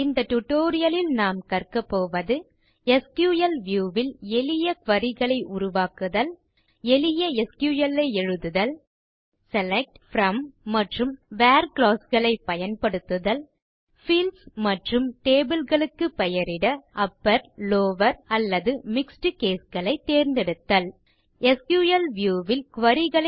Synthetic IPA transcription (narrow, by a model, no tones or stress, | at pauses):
ɪnd̪ɐʈʊʈːoːɾɪjɐlɪlnaːmkɐrkɐpːoːʋɐðɯ | ɛskjuːjɐlʋjuːʋɪlɛlɪjɐkʋɐɾɪɣɐɭɐɪʔʊɾʊʋaːkɯðɐl | ɛlɪjɐɛskjuːjɐlɐɪɛɻɯðɯðɐl | sɛlɛk̚ʈfɾɐmːɐʈrɯmʋaːɾklaːsɣɐɭɐɪpːɐjɐnpɐɽɯt̪ːɯðɐl | fiːlsmɐʈrɯmʈeːbɯlɣɐɭɯkːɯpɛjɐɾɪɽɐʔɐpːɐɾloːʋɐɾɐlːɐðɯmɪksʈɯkeːsɣɐɭɐɪt̪ːeːɾnd̪ɛɽɯt̪ːɐl | ɛskjuːjɐlʋjuːʋɪlkʊʋɐɾɪɣɐɭɐ